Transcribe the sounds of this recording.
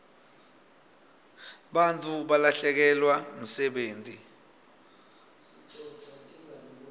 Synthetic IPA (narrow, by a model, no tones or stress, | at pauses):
ɓant͡fʰuɓalaɬɛk̬ɛlwam̩sɛɓeːntʼi